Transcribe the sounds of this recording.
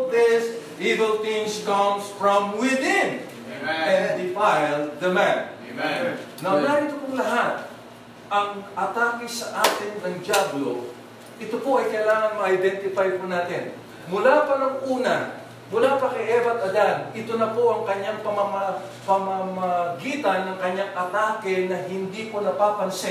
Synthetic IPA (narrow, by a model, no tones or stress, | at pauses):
d̪ɪsʔivɛlt̪ɪ̃ŋskɐmsfɹɐmwɪd̪ɪ̃n | ɛnd̪ɪfajld̪ɐman | nɐwnaːʔɪt̪opʊŋlɐɦat̪̚ | ʔɐŋʔɐt̪aːkɪsɐʔaːt̪ɪnːɐŋd͡ʒablo̰ | ʔɪt̪opoʔɐjkɐjlaːŋɐŋmɐʔɐjd̪ɛnt̪ɪfajpʊnaːt̪ɪn | mʊlapɐnɐŋʔuːnɐ | mʊlapɐkɐjʔɛːvɐt̪ɐd̪ad̪ɪt̪onɐpoʔɐŋkɐɲːaŋpɐmɐmɐpɐmamɐɡiːt̪ɐnːɐŋkɐɲːaŋʔɐt̪aːkɪnɐɦɪnd̪iponɐpaːpɐnsɛ